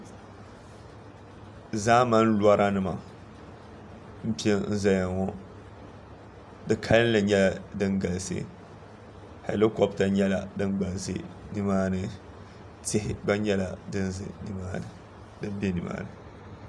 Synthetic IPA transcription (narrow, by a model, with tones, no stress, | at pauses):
zaː˦ma˦n˦la˦ɾa˦nɨ˨ma˨ | m̩˦pi˦e˦n̩˦za˨ja˨ŋɔ˦ | dɨ˨kʰa˦lɨ˦n˦la˨ɲɛ˦la˨dɨ˦nɡa˨lsɨ̰˦ | ha˨llɨ˦kɔ˨bta˨ɲɛ˦la˨dɨ˦nɡ͡ba˨lsɨ̰˦nɨ˦maː˦nɨ˨ | te˦hɪ˨ba˦ɲɛ˦la˨dɨ˦n˦zɨ̰˨ni˦maː˦nɨ˨ | dɨ˦m˦be˦nɨ̰˨ma̰ː˦˨nɨ˨